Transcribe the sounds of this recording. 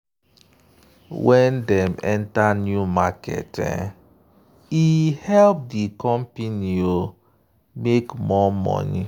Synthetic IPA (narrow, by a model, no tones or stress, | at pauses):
wɛndɛmɛntanjumakɛ̰tɛ̰ | ihɛlp̚dikɔm̩pinio | mekmɔmɔ̰ni